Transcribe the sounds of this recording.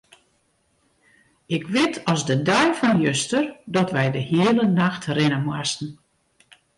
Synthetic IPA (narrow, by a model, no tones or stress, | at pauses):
ɪkʋɪtʰɔzdədœjfɔnjøstərdɔtʋɛjdəhiələnaxtrɪnəmwastn̩